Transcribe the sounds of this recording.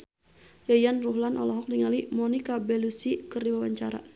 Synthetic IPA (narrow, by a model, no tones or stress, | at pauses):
jajanruɦlanʔɔ̰lɔɦɔk̚diŋalimɔnikabɛlusikɨrdiwawaɲt͡ʃaɾa̰